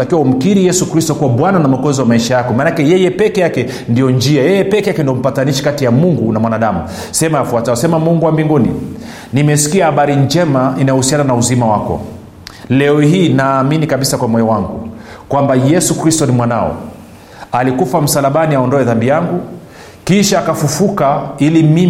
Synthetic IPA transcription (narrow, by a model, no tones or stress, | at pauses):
takiwaum̩kiɾijɛsukɾistɔkuwaɓwananam̩akɛnziwamaiʃajakɔmanakɛjɛjɛpɛkɛjakɛ | ndiɔnd͡ʒiajɛjɛpɛkɛjakɛndiɔm̩pataniʃɛ̥katijamuŋɡunamwanaɗamu | sɛhɛmajafuatajɔsɛmamuŋɡuwambiŋɡunḭ | nimɛsi̥kiahaɓaɾind͡ʒɛmainajɔhusiananauzimawakɔ̰ | lɛɔhiːnaːminikaɓisakwamɔjɔwaŋɡukwambajɛsukɾistɔnimwanaɔ̰ | alikufam̩salaɓaniaɔndɔɛðambijaŋɡu | kiʃaːkafufukailimim